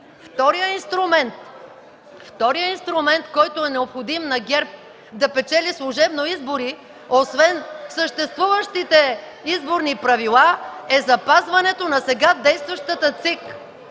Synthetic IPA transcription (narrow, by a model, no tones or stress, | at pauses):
ft̪ɔɾijəinst̪ɾʊmɛnt̪ | ft̪ɔɾijəinst̪ɾʊmɛnt̪kɔjt̪oɛnɛopxod̪imnɐɡʲɛɾp̚ | d̪ɐpɛt͡ʃɛlislˠoʒɛbnoizboɾi | osvɛnsəʃt̪ɛst̪vuvəʃt̪it̪ɛ | izboɾnipɾɐvilˠaɛzɐpazvɐnɛt̪onɐsɛɡad̪ɛjst̪vɐʃt̪ət̪ət̪sik